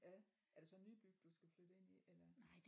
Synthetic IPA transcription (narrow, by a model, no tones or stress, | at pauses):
jæ | æɐd̥e̝sɒ̽nːyːb̥yɡ̥̚d̥usɡ̥æflød̥əe̝n̰ielɐnɑɪ̰̥